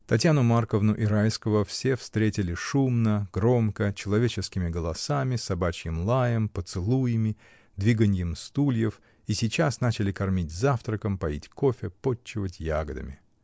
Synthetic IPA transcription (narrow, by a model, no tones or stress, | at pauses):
t̪ɐtʲjanʊmarkəvnʊʔɪɾajskəvəfsʲe̞fst̪ɾʲetʲɪlʲɪʂumnəɡ̥ɾo̞mkət͡ɕɪlˠɐvʲet͡ɕɪskʲɪmʲɪɡəlˠɐsamʲɪsɐbat͡ɕjɪmlˠajəmpət̪sɨlˠujɪmʲɪ | d̪vʲiɡənʲjɪmst̪ulʲjɪf | isʲɪt͡ɕasnat͡ɕɪlʲɪkɐrmʲitʲzaft̪ɾəkəmpɐitʲko̞fʲɪpo̞ːɪvətʲjaɡəd̪ə̰mʲɪ